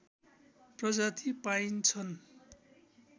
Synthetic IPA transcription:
prʌd͡zat̪ʰipaint͡sʰʌn

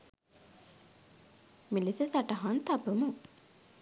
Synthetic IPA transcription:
milisesaʈəɦant̪apəmu

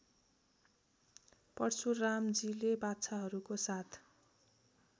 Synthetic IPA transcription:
pʌrt͡sʰuramd͡zilebatt͡sʰaɦʌɾukosat̪ʰ

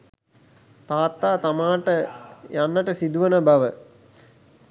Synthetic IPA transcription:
t̪aːt̪ːaːt̪amaːʈəjanːəʈəsid̪uʋənəbɐʋə

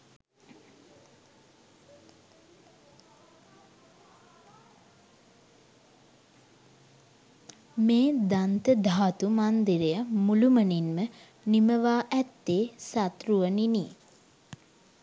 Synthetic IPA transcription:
meːd̪ant̪əd̪aɦat̪umand̪iɾejamuluməninmə | niməʋaːʔæt̪ːeːsat̪ruʋənini

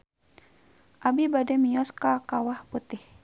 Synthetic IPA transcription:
ʔabibadɛmiɔskakawahput̪ɪh

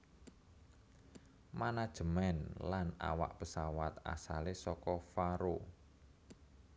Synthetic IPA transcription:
manad̥ʒ̥əmɛnlana̰wa̰ʔpəsawat̪a̰salesɔkɔfaɾo

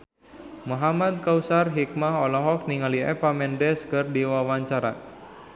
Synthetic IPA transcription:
moɦamad̪̚kausarɦik̚maɦɔlɔɦɔk̚niŋaliɛ̰pamɛndɛskɨrdiwawaɲt͡ʃaɾa

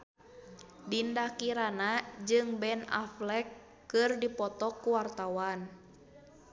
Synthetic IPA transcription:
dindakiɾanad͡ʒɨŋbɛna̰flɛkː | ɨrdipɔt̪ɔkːuwart̪awan

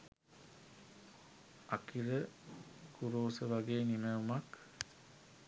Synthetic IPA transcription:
akiɾə | kuɾoːsəʋaɡeːniməumak

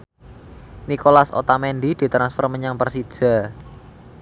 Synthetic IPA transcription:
nikolaso̰t̪amɛndid̪̥i̤t̪ɾansfərməɲaŋpərsid̥ʒ̥a̤

